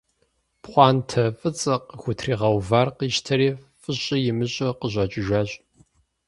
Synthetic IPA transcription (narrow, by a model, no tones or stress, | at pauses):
pχʷɑːntʰɐfʼɨt͡sʼɐqəxʷʊtʰriːʁɐwvaːrqiːʃtʰɐɾiː | fʼɨɕʼɪjɪmɨɕʼɐqəʑʷɐt͡ʃʼɪʒʷɐɕʼ